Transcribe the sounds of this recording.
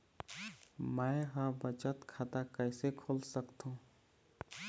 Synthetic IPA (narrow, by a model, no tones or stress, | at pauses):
mɛ̃ːɦãbət͡ʃət̪kʰaːt̪akəɪsekʰoːlsəkt̪ɦũː